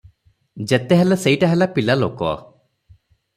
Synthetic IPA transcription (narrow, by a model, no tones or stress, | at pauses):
d͡ʒet̪eɦeleseiʈaɦelapilalo̰kɔ̰